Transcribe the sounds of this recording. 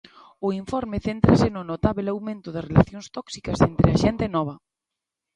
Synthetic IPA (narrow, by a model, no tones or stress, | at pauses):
ʊiɱfɔɾmɪθent̪ɾɐsɪnʊnot̪aβelawmẽnt̪ʊðɐrelaθjoŋst̪ɔksi̥kɐsent̪ɾeɐʃɛnt̪enɔβ̞ɐ